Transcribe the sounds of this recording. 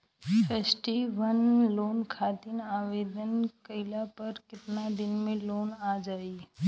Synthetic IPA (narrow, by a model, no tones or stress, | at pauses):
pʰeːsʈiʋənloːnkʰaːt̪inaːʋeːd̪ʱənkəɪlapəɾkɪt̪nad̪ɪnmẽloːnad͡ʒaːi